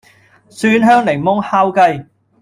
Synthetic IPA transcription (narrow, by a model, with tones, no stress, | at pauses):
syː˥˧nɦœː˥ŋle˨˩ŋmʊ˥ŋhaː˥wkɐ˧j